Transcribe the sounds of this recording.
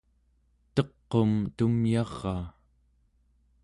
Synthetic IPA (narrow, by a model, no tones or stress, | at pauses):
t̪ʌqːo̞mt̪umjɑʁːɑː